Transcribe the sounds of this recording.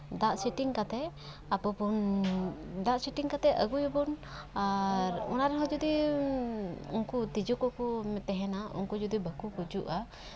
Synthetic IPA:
d̪aʔsiʈiŋkat̪ɛ | apɔpun | d̪aʔsiʈiŋkat̪ɛʔəɡujbɔnaɾɔnaɾɛɦɔd͡ʒud̪i | unkut̪id͡ʒɔkɔʔkɔmɛt̪ɛɦɛnaṵnkud͡ʒud̪ibəkukud͡ʒuʔa

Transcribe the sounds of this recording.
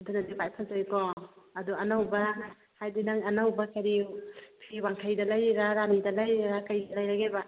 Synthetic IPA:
dunadipajpʰalzajkɔɐduɐnawbɐ | hajdinaŋɐnawbakɐɾipʰiwaŋkʰajdɐlajɾaɾanidɐlajɾakɐjdɐlɐjɾaɡeba

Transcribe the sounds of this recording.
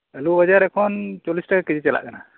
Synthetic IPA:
əlubad͡ʒaɾɛkʰɔnt͡ʃɔlisʈakakɛd͡ʑit͡ʃɛla̰ʔkana

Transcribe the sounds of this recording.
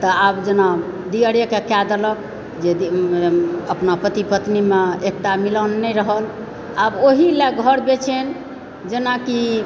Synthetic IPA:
t̪ɔabd͡ʒena | d̪ijəɽjəkekad̪ələk | d͡ʒei | əpnapɾət̪ipət̪nimeek̚ʈamilənːɛɾəɦəl | aboɦilɛɡʱəɾbet͡ʃʰen | d͡ʒenaki

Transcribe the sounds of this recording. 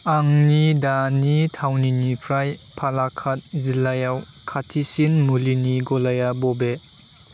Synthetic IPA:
aŋnidanitʰawninipʰɾajpʰalakʰat̚zilajaw | kʰatʰisinmuliniɡɔlajabɔbe

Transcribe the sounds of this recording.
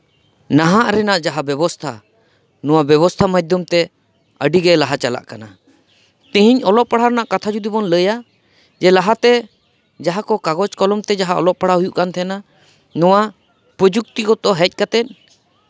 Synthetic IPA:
naɦaʔɾɛnaʔd͡ʒaɦabɛbɔst̪ʰa̰ | nɔ̃wabɛbɔst̪ʰamad̪ʱjɔmt̪ɛ | əɖiɡɛlaɦat͡ʃala̰ʔkana | t̪ĩɦiɲɔlɔʔpaɽ̤aɾɛnaʔkat̪ʰad͡ʒud̪ibɔnləja | d͡ʒɛlaɦat̪ɛ | d͡ʒaɦakɔkaɡɔt͡ʃkɔlɔmt̪ɛd͡ʒaɦaɔ̰lɔʔpaɽ̤aɦujuʔkant̪ʰɛna | nɔwa | pɾəd͡ʒuk̚t̪ikɔt̪ɔɦɛc̚ˀkat̪ɛn̚

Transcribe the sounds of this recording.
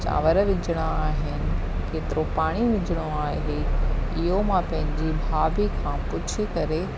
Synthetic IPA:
t͡ɕa̰ːʋəɾʋɪd͡ʑʱɪɽ̃aaːɦɪnɪ̆ | keːt̪ɪɾopaːɽ̃iʋɪd͡ʑəɽ̃oaːɦeɪɦomãpɐ̃ɦɪ̃ɲd͡ʑibʱaːbikʰãːpʊt͡ɕʰikɐɾe

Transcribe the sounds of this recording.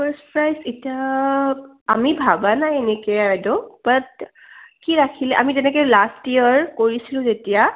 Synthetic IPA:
pʰəɹspɹajsetijaː | mibʱabanajenekɛdɔb̥at̚ | kiɹakʰilɛʔa̰mizɛnɛkɛlastijəɹkoɹisilʊ̃zetija

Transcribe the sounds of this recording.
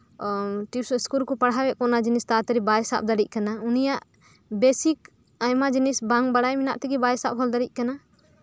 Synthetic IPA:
ʈiskulkɔpaɽɦabɛʔkɔnad͡ʒinist̪at̪ɛɾibajsa̰p̚d̪aɾic̚ˀkanaunijaʔ | besik | ajmad͡ʒinisbaŋbaɽajminaʔt̪ɛɡibajsap̚hʰɔld̪aɾic̚ˀkana

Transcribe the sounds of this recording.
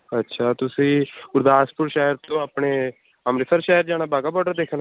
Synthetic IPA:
ətːʃʰaːt̪ʊsĩːɡʊɾd̪aːspʊɾʃaːɦəɾt̪õːaːpɳeː | əmɾɪsəɾʃaːɦəɾd͡ʒaːñaːbʱaːɡaːbɔːɖəd̪eːkʰn

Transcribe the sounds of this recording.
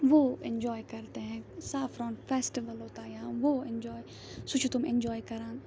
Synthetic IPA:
ʋoːɪ̰̃nd͡ʒɔːjkɐɾt̪eɦɛ̃ːsaːfɾɔ̃ːɳʈfʰeːsʈiʋəlɦoːt̪aːjãːʋoːɪ̃nd͡ʒɔːj | sut͡ʃʰut̪ʊmɪ̃nd͡ʒɔːjkɐɾãːn

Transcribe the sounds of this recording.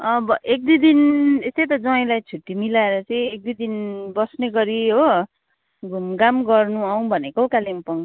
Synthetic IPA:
ʌbʌʔek̚d̪id̪inest̪ejt̪̬ʌd͡zʌĩlajt͡sʰuʈːimilaeɾʌt͡sʌĩek̚d̪id̪inbʌsneɡʌɾiɦo | ɡʱumɡamɡʌrnuaw̃bʱʌnekokalimpʌw̃

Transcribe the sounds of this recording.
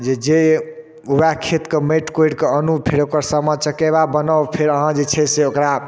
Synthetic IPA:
d͡ʒed͡ʒe | ubakʰet̪kəmeʈkoɽkeənupʰeɾokəɾsəmət͡ʃəkeβabənɔwpʰeɾəɦãd͡ʒet͡ʃʰɛseokɾa

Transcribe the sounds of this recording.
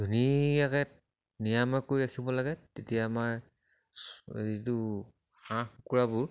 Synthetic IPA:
d̥ʱunijakɛ | nijamakojiɹakʰibɔlaɡɛtetijaːmaɹ | szitu | xãxukuɹabʊɹ

